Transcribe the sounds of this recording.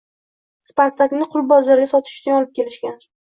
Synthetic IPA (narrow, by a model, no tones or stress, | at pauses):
spaɾt̪ʰaknɪqʰʊlˠbɒzaɾɡʲasɒt̪ʰɪ̥ʃʊ̥t͡ʃʊnɒlˠɪp̚kʲʰe̞lɪʃkʲan